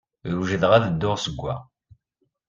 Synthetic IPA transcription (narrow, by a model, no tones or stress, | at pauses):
ɾuʒəðʁaðəd̪ːʊʁsəɡʷːæ